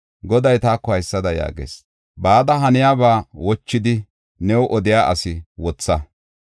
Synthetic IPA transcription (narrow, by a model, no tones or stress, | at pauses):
ɡɔd̪ɐjt̪aːkːɔhɐjsːɐd̪ɐja̰ːɡḛːs | baːd̪ɐɦɐnɪjaːbaːwɔt͡ʃːɪd̪ɪ | nɛwʔɔd̪ɪjaːʔɐ̰sɪwɔt͡sːɐ